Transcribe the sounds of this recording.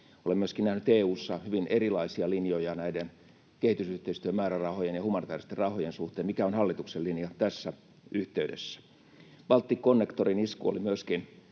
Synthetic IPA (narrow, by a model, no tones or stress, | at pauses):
olemyøskinnæhnyt̪eːuːsːɑhyʋinerilɑisiɑlinjojɑnæiden | kehit̪ysyht̪eist̪yømmæːɾærɑhojenjɑhumɑnit̪æːrist̪erɑhojensuht̪eːmikæonhɑlːit̪ukselinjɑt̪æsːæ | yht̪eydḛsːæ̥ | ʋ̥ɑlt̪ːikːonːekt̪oriniskṵo̰limyøskin